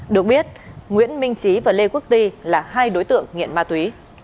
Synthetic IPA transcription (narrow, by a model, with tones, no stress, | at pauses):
ɗɨ˨˩ək̚ɓi˦˥ət̚ŋwḭ˧˥ənmï˧ŋ̟t͡ɕi˨˦vaː˨˩le˧ku˦˥ək̚t̪i˧laː˨˩ɦaː˧jɗo˨˦jt̪ɨ̰˧˨əŋːḭ˧˨ənmaː˧t̪wi˨˦